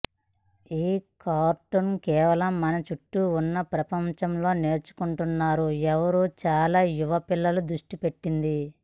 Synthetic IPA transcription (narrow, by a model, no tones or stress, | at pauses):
iːkaːɾʈonkɛːʋɐlɐmːɐnɐt͡ʃuʈːuːnːɐpɾɐpɐmt͡ʃɐmlo̞ːne̞ːɾt͡ʃu̥kuɳʈunːaːɾuɛʋɐɾuːt͡ʃaːlaːjuʋɐpilːɐlud̪ɾuʂʈipe̞ʈːind̪i